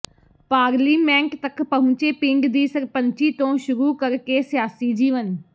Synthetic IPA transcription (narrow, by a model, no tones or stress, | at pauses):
paːɾliːmɛ̃ːŋkt̪əkpəɦʊ̃t͡ʃeːpɪŋɡd̪iːsəɾpəɲt͡ʃiːt̪õːʃʊɾuːkəɾkeːsɪjaːsiːd͡ʒiːʋən